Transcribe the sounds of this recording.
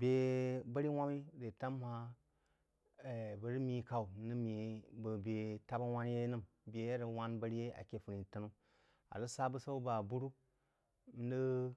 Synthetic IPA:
bʲe˨ba˦ɾi˦wʷa˦mi˦ɾe˨ta˦mha˦˨ | bə˨ɾi˦mi˦ka˨u˨˦nɨ˦mi˨bə˨bʲe˨ta˦ba˦wʷa˦n˦je˦nɨ˦mbʲe˨je˦ɾə˨wa˦nbə˦ɾi˦je˦a̰˨kʲe˨fu˨ɾi˨tə˦nu˦ | a̰˨zə˦sa˦bə˦sa˦u˦ba˨bu˦ɾu˦ | m̩˦ndə˦

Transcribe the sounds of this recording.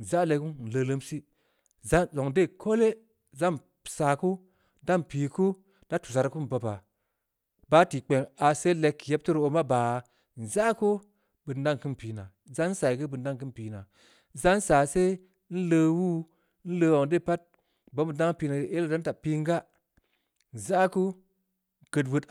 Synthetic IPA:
n̩˨za˦le˧ku˦˨n̩˨lə˧lə˦msi˦ | za˦nzo˨ŋde˦˨kʰo˦le˦ | za˦n˨ | sa˨ku˦ | da˦mpi˨ku˦ | d̥a˦tu̥˨s̬a˨ɾku˦n˨bo˨ba˨ | ba˦ti˨k͡pe˨ŋa˨se˦le˧kːje˦p̚ti˦ɾo˧ma˦baː˨ | n̩˨za˦ko˦ | bɨ˨n˦da˦ŋ˨kɨ˦npi˨˦na˨za˦n̩˦sa˨i˨kɨ˦bɨ˨n˦da˦ŋkɨ˦npi˨˦na˨ | za˦n̩˦sa˨se˦ | n̩˦ləː˧wu˦ | n̩˦lə˧˦wo˨ŋde˦˨pa˦t̚ | bo˦bɨ˨nda˦ŋ˦pi˧na˨e˦lda˦n˦ta˨pi˧ŋ˦ɡa˦ | n̩˨za˦ku˦ | ɡ̥ə˨twɨ˧t

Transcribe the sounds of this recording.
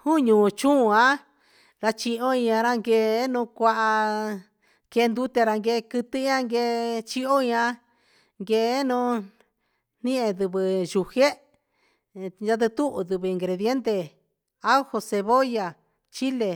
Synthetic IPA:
hũ˦ɲũː˨˧t͡ʃũ˦˧ã˦ | ɾa˧t͡ʃi˧ʔõ˦ĩ˧ɲ˧ã˧ɾa˦ŋɡe˧˦nũ˧kʷa˧ʔa˧ | ke˧nd̪u˦t̪e˧ɾa˧ŋɡe˧kɨ˧t̪ɨ˦ã˦ŋɡe˧t͡ʃi˦o˦ĩ˧ã˧ | ŋɡe˧˨˦nũ˧ | n̥ĩ˦ʔẽ˧ðɨ˧βɨ˧ʒu˨˧he˦ | a˧t̪̬ɨ˧t̪u˦ʔu˧ðɨ˧βɨ˧˨i˨ŋɡɾe˨ðje˦nt̪e˧˨ | a˦u˦ho˧se˧βo˦ja˨ | t͡ʃi˦le˨

